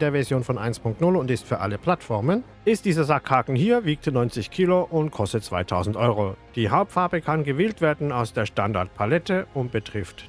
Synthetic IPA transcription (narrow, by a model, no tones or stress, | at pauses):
deːɐvɛɐzjoːnfɔnʔa̰ɪnspʰʊŋk̚tnʊlʊntɪstfyːɐʔa̰ləpʰl̥atfɔɐmən | ɪstd̥iːzɐzakʰhaːkn̩hiːɐviːk̚tnɔʏnt͡sɪçkʰiːloʔʊntkʰɔstətt͡sv̥a̰ɪtʰa̰ʊzn̩tʔɔʏʁ̞od̥iːɦaʊp̚tfaɐbəkʰanɡəvɪːltv̥eːɐdn̩aʊsd̥eːɐʃtanda̰ɐt̚pʰalɛtəʊnt̚b̥ətʁ̥ɪft